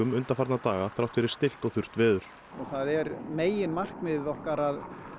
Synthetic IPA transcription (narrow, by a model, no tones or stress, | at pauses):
ʏmʏnt̪aɾfaɾt̪nat̪aːɣaθɾawht̪fɪɾɪɾ̥st̪ɪl̥t̪ɔɣθʏr̥t̪vɪːðʏɾ̥ | ɔɣθaðɛɾmeːjɪnmar̥kmɪðɪðɔhkaɾað